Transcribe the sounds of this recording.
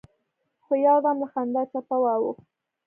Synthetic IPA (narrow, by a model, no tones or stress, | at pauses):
xojɑd̪amlaxand̪at͡ʃapawawu